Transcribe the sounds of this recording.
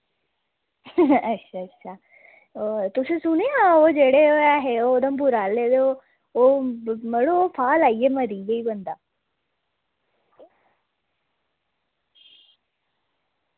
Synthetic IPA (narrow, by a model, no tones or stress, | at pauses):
ətːʃʰaːətːʃʰaː | ot̪ʊsẽsʊneɦãːoːd͡ʒeːɽeoaɦeod̪əmbʊɾaːled̪eo | oːməɽõoːpʰaːlaːieːməɾiːɡeiːbənd̪aː